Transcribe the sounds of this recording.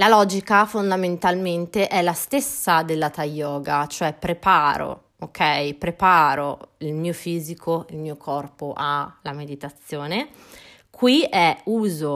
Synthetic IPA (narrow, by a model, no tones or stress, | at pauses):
lalɔːd͡ʒikafond̪ament̪alment̪eʔɛlːast̪esːad̪elːat̪ajːɔːɡat͡ʃoɛpɾepaːɾo̰ | okʰɛjpɾepaːɾo̰ilmiːofiːzikʰoilmiːokʰɔrpoʔalamed̪it̪at̪sːjoːne | kʰwiɛuːzo